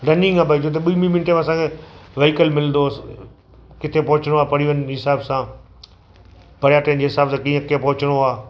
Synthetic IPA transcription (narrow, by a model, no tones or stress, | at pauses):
ɖɐnɪ̃ŋɡabʱɐit̪ʰot̪ɐɓiːmĩmɪnʈemẽɐsãːkʰeʋeːkəlmɪlnd̪o | kɪt̪ʰepɐɦʊt͡ɕəɽ̃oaːpɐɽiʋənɦɪsaːbsãː | bʱɐɽjaːʈeːnd͡ʑeːɦɪsaːbsãːkĩːə̃kepɐɦʊt͡ɕəɽ̃oaː